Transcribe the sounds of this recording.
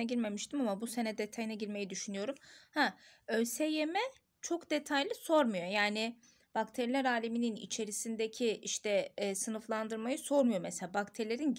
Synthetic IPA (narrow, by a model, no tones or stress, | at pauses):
ɛɟiɾme̞miʃt̪ʰimamabuse̞nɛd̪e̞t̪ʰajinɛɟiɾme̞jid̪yʃynyjo̞ɾumhɛølʲsejemɛ | t͡ʃʰo̞kd̪e̞t̪ʰajlʲiso̞ɾmujo̞jaːni | b̥akt̪ʰeɾilʲæɾaːlʲemininḭt͡ʃʰe̞ɾisind̪ecʰiiʃt̪ʰɛːsɯnɯflˠand̪ɯɾmajɯso̞ɾmujo̞meselʲaːbakt̪ʰeɾilʲeɾin